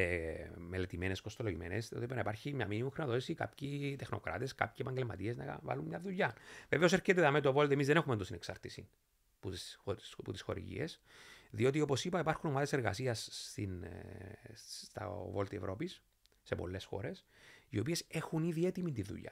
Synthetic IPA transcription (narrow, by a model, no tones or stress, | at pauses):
emelet̪imene̞sko̞st̪o̞loʝime̞̰nesiot̪ipenɐipɐɾçimɲɐminimuxɾimɐt̪ot̪isika̰pçit̪e̞xno̞̰kɾa̰t̪eska̰pçipɐɲɟelmɐ̰t̪ie̞znɐ̰va̰lumɲɐðuʎːɐveveo̞s̬eɾket̪eðɐmet̪ovo̞lt̪iemizðeexumend̪ost̪ineksaɾt̪isi | puoput̪isxo̞̰ɾḭʝḭesðio̞t̪̬io̞po̞sipɐipɐɾxuno̞maðe̞se̞ɾɣɐ̰siɐst̪in | t̪ɐ̰vo̞lt̪ievɾo̞pisː | e̞po̞̰lːe̞sxo̞̰ɾe̞sio̞pie̞se̞xuniðie̞t̪imint̪iðṵʎːɐ̰